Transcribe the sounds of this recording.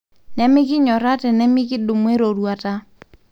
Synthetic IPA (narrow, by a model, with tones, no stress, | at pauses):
nɛ˦mɪ˦kɪ˦ɲɔ˨ɾa˦tɛ˨nɛ˦mɪ˦kɪ˦dʊ˨mwɛ˦ɾo˨ɾwa˨ta˦